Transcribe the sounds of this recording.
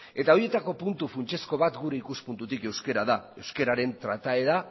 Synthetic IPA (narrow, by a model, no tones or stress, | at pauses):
e̞t̪ao̞ɾie̞t̪ako̞punt̪ufunt͡ʃe̞sko̞β̞at̪ɡuɾe̞ikuspunt̪ut̪ike̞wske̞ɾaðae̞wske̞ɾaɾe̞nt̪ɾat̪ae̞ða